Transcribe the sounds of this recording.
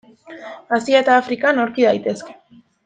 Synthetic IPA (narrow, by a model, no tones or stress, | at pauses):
asiaet̪aːfɾikanoɾkiðajt̪e̞ske̥